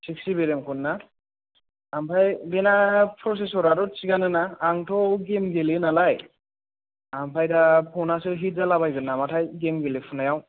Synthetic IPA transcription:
siksibeɾemkʰɯnːa | ampʰajbenapʰɾɔs̬es̬ɔɾaɾɔt͡ʃiɡanɯnaːŋtʰɔɡemɡelenalaj | ampʰajdapʰɔnasɯɦit̚zalabajɡɯnːamatʰajɡemɡelepʰunajaw

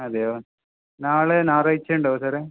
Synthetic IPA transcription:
ɐd̪ejo | naːɭenaːrɐit͡ɕːeɳɖoːsɐɾe

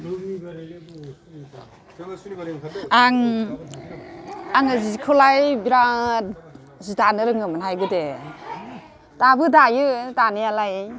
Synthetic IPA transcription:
aŋ | aŋɯzikʰɯlajbiɾa | zitanɯɾɯŋɯmɯnɦajɡɯde | tabɯdajɯtanijalaj

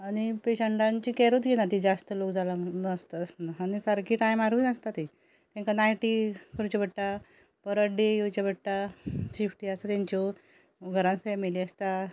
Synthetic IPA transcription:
aɽ̃ipeɕəɳʈãɲt͡ɕiːkɛɾot̪ɡʱenat̪id͡zast̪əlokd͡zalaəst̪əːsnaːñisaɾkiːʈajmaɾinəst̪at̪i | t̪ãŋkanajʈikəɾut͡ɕabəʈːa | pəɾəɖejut͡ɕabəʈːasifʈiast̪at̪jãɲt͡ɕɔ | ɡʱəɾãnfɛmiliːəst̪a

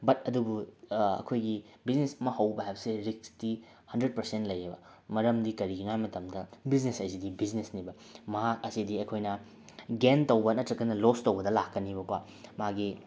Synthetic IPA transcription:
bɐtɐdubuɐ̰kʰojɡibiznesɐmɐhɐwbɐɦajbɐseɾik̚sti | hɐndɾed̚pɐɾsentlɐjebɐ | mɐɾɐmdikɐɾiɡinajmɐtɐmdɐbiznesɐjsidibiznesnibɐ | mɐɦak̚ɐsidiɐjkʰojnɐ | ɡentɐwbɐnɐtɾɐkːɐnɐlostowbɐdɐlakːɐnibɐkwa | maɡi

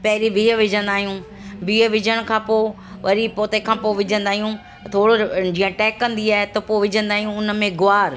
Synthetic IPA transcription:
pɐɦɪɾiʋʱiːəʋɪd͡ʑʱə̃nd̪aːɦijũ | bʱiːəʋɪd͡ʑʱəɽ̃kʰãːpoː | ʋɐɾipoːt̪ekʰãːpoʋɪd͡ʑʱə̃nd̪aːɦijũ | t̪ʰoːɽod͡ʑiːə̃ʈɛːkːɐ̃nd̪iaːɦet̪ɐpoʋɪd͡ʑʱə̃nd̪aːɦijũʊnə̆mẽɡʊaːɾ

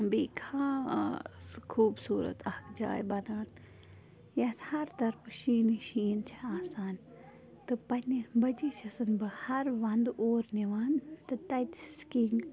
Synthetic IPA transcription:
biːkʰaː | kʰuːbsuːɾə̰t̪ɐhkd͡ʒa̰ːjbɐd̪aːt̪ | jɐt̪hɐɾt̪ɐɾpʰʃiːniʃiːnt͡ʃʰiaːsaːn | t̪ɨpɐnʲːibɐd͡ʒit͡ʃʰɐsɐnbɐhɐɾʋɐnd̪ʔoːɾniʋaːnt̪ɨt̪ɐt̪skiŋɡ

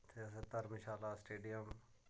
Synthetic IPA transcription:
t̪ʰeːset̪əɾmɪʃaːlaːsʈeːɖijəm

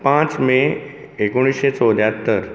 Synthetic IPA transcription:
pãt͡smẽ | ekoɽ̃isɕet͡sod̪jat̪ːəɾ

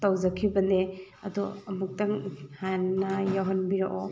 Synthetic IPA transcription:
tawzakʰibɐne | ɐdɔɐmuk̚taŋhanːajaɦɐnbiɾaʔɔ

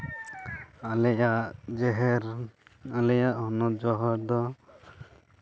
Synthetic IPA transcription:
alɛjaʔʔd͡ʒɛɦɛɾalɛjaʔhɔnɔd͡ʒɔɦɔɾd̪ɔ

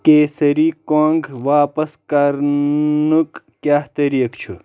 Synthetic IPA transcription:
keːsɐɾiːkoːŋɡʋaːpɐskaɾnuk | kjaːht̪ɐɾiːɐkt͡ʃʰu

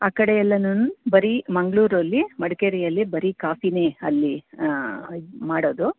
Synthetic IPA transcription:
aːkɐɽejɛlːɐnunubɐɾimɐŋɡɭuːɾɐlːimɐɽɐkeɾijɐlːibɐɾikaːfine̞ːɐlːi | maːɽoːd̪u

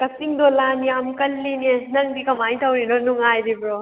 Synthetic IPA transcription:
kɐsiŋd̪olanijamkɐlːinenɐŋdikɐmajt̪ʰɐwninonuŋajɾibɾo

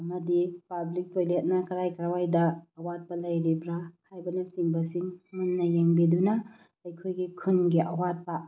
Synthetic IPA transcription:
ɐmɐdipablik̚pojlet̚nakɐɾajkɐɾawajdɐːwat̚pɐlɐjɾibɾahajbɐnɐsiŋbɐsiŋmunːɐjɾeŋbidunɐ | ɐjkʰojɡikʰunɡiʔɐwat̚pa

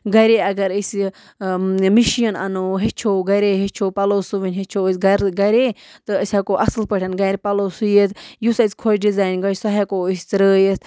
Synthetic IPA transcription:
ɡɐɾeɐɡɐɾəs | miʃijɐnɐ̰noɦet͡ʃʰoɡɐɾeɦet͡ʃʰoːpɐloːsuʋinʲɦet͡ʃʰosʲɡɐɾɡɐɾʲet̪ɨɐsʲakoːʔɐsɨlpəʈʲʰɐnɡɐɾʲpɐlosujet̪jusɐsʲkʰot͡ʃɖizaːjnɡɐɾsɐɦakoisʲt̪ɾəːjest̪

